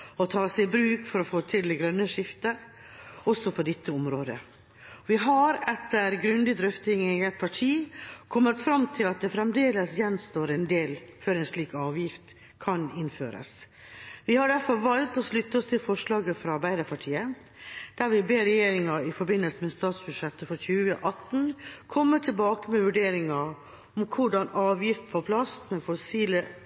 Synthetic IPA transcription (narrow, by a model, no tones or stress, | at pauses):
ɔt̪ʰɑːsɛɪbɾʉːkfɔɾɔfoːt̪ʰɪlɡɾœnːəʂɪft̪ə | ɔsːɔpʰɔd̪ɛt̪ʰːəɔmɾoːd̪ə | ʋɪɦɑɾɛt̪ːəɾɡɾʉnd̪ɪd̪ɾʏft̪ɪŋɛɡɛt̪̚pʰɑʈʰiːkʰɔmːət̪fɾɑmt̪ʰɪlɑt̪̚d̪ɛfɾɛmd̪eːləsjɛnːst̪oːɾɛnd̪eːlføːɾɛɪnʂɭiːkɑːʋjɪft̪ | kʰɑnɪnːfø̰ːɾə̰s | ʋɪhɑɖæɾfɔɾʋɑlt̪ɔʂlʉt̪ːəɔst̪ʰɪlfɔʂlɑːɡəfɾɑɑɾbæɪd̪əɾpʰɑʈʰiːə | d̪̥æɾʋɪbeːɾɛjeːɾɪŋɑɪfɔɾbɪnːəlsəmɛst̪ɑːt̪sbʉd̪ʂɛt̪ːəfɔçʉːəʔɑt̪n̩kʰɔmːət̪ʰɪlbɑːkəmɛʋʉɖeːɾɪŋɑ | ɔmkʰʊɖɑnɑːʋjɪft̪pʰɔpʰlɑst̪mɛfɔsiːlə